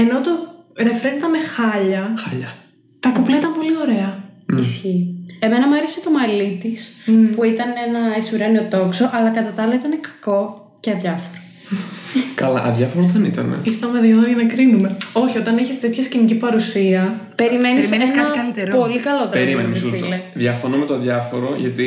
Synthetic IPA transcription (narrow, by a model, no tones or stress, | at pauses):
e̞no̞t̪o̞ɾefɾenit̪ɐnexɐʎɐxɐʎɐ | t̪ɐkuplɐit̪ɐmpo̞lio̞ɾe̞ɐisçie̞me̞nɐmɐɾeset̪omɐlit̪ispuit̪ɐnenɐet͡siuɾɐniot̪o̞kso̞ʔɐlɐkɐt̪ɐt̪ɐɐlɐit̪ɐnekɐ̥ko̞ | ceɐðjʝɐfoɾo̥ | kɐlɐʔɐðʝɐfoɾoðɐnit̪ɐ̰nḛiɾθɐmeðeɐðoʝɐnɐkɾinume̞o̞çio̞t̪ɐneçist̪et̪çɐscinicipɐɾusiɐ | peɾimenisesnɐɐlit̪eɾpo̞likɐlot̪ɐɾimenfileðʝɐfonomet̪oðʝɐfo̞ɾoʝɐ̰t̪i